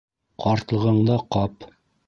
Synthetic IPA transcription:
qɑɾt̪lˠɤ̆ʁɤ̆ɴd̪ɑqɑp

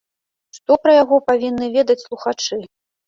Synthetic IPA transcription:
ʂt̪ɔpɾɐjaɣɔpavʲinːɨvʲed̪ɐt͡sʲslˠuxat͡ʂɨ

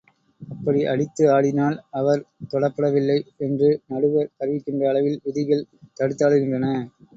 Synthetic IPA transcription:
ɐpːɐɽiʔɐ̰ɽɪt̪ːɯaːɽɪnaːlɐʋɐɾt̪ɔɽɐpːɐɽɐʋɪlːɐɪɛndrɯnɐɽɯʋɐɾɐɾɯʋɪkːɪndrɐːɭɐʋɪlʊðɪɣɐɭt̪ɐɽɯt̪ːaːɭɯɣɪndrɐnɐ

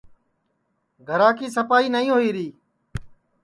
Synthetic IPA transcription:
ɡʱəɾaːkʰiːsəpaːiːnəĩːɦoiːɾiː

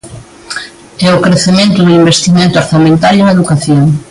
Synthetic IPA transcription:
ɛokɾeθemẽnt̪ʊðuimbest̪imẽnt̪ʊoɾθamẽnt̪aljeŋeðukaθjoŋ

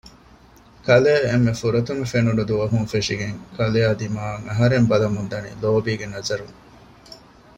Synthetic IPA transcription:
kɐleːemːefuɾɐt̪umefenuɖud̪uʋɐɦuŋfeʂiɡeŋkʰɐlead̪imaːɐŋɐɦɐɾembɐlɐmund̪ɐnḭloːbiːɡenɐzɐɾuŋ

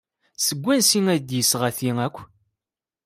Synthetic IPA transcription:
səɡʷːænsiŋæd̪jəsʁæθiŋækʷː

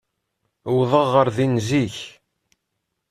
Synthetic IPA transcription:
wðˤəʁːəɾðinziç

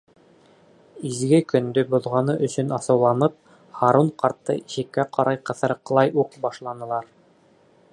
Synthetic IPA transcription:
izɡɘkɵ̆nd̪ɵbŏðʁɑnɤʔɵ̆sɵnɑsɤ̆wlˠɑnɤp̚ | χɑɾuɴqɑɾt̪ːɤ̰ʔiʃɘ̆kːæqɑɾʔɑjqɤ̆θɤ̆ɾq̆lˠɑjuqbɑʃlˠɑnɤ̆lˠɑɾ

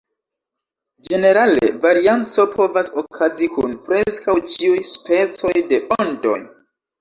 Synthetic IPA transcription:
d͡ʒe̞ne̞ɾale̞̰vaɾiant͡so̞pʰo̞vasokʰazikʰunpɾe̞skawt͡ʃiujspʰe̞t͡so̞jde̞ondo̞̰j

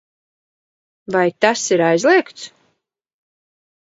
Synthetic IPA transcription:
vajt̪asiɾajzlˠiɛkt̪s

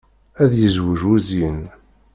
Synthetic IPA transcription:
æðjəzwəʒuzin

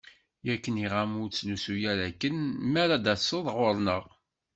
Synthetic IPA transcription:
jækːəniʁæmʊɾt͡sːlusujæɾækːənmæɾad̪æsəðˤʁʊɾˤnəʁ

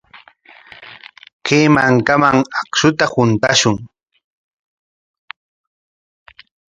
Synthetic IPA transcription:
keːmaŋkamaŋakʃʊt̪ahʊnt̪aʃʊŋ

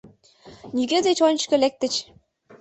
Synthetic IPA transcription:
nʲiɡʲed̪et͡ɕonʲt͡ɕkɤ̆lek̚t̪ə̆t͡ɕ

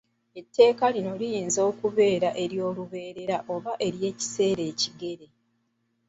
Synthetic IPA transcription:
e̞tːe̞ːkalino̞lijiːnzoːkuβe̞ːɾaʔe̞ɾjo̞ːluβe̞ːɾe̞ɾaʔo̞βaʔe̞ɾje̞ːci̥se̞ːɾe̞ːciɡe̞ɾe̞

